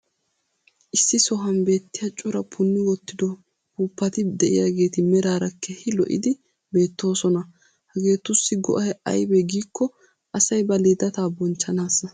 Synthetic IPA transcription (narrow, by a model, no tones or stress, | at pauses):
ʔɪsːɪsɔɦɐnbe̞ːt̪ːɪjɐt͡ʃʼʊɾɐpʰʊnːɪwɔt̪ːɪd̪ɔ | huːpːɐt̪ɪd̪ɛʔɪ̰jaːɡe̞ːt̪ɪmɛɾaːɾɐkʰːɛhɪlɔʔɪ̰d̪ɪ | be̞ːt̪ːo̞ːsɔnɐ | hɐɡe̞ːt̪ːʊsːɪɡɔ̰ʔɐjɛɐ̰jbɛɡiːkːɔ | ʔɐsɐjbɐliːd̪ɐt̪aːbɔnt͡ʃːɐnaːsɐ